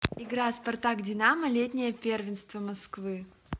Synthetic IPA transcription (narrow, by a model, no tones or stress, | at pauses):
ɪɡɾaspɐrt̪aɡdʲɪnaməlʲetʲnʲɪjəpʲervʲɪnst̪vəmɐskvɨ